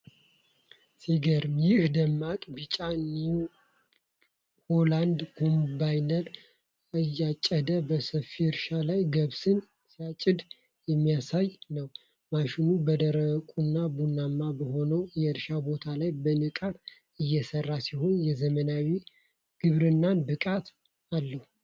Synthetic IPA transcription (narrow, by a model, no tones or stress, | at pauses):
siɡəɾmjɪhd̪əmːakʼbit͡ʃʼani | holand̪kʰombajnəl | ajːat͡ʃʼːəd̪əbəsəfiɨɾʃalajɡəβsɨn | siat͡ʃʼɪd̪ | jɛmːijasajnəw | maʃɪnubəd̪əɾəkʼunːabunːamːabəho̞nəwjɛɨɾʃabo̞t̪ʰalajbənɨkʼat̪ | ɨjːɛsərːasiho̞njɛzəmənawi | ɡ̥ɨβɾɨnːanbɨkʼat̪ | alːəhu